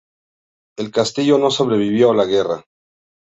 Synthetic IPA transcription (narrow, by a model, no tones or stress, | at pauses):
e̞lkast̪iʝo̞no̞so̞βɾe̞βiβjolaɣe̞ra̰